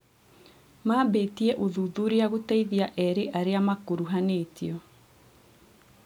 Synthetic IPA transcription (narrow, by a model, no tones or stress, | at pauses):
maːbeːtiɛʔoðuðuɾeaɣotɛiðiaʔɛɾeʔaɾeamakoɾuɦaneːtiɔ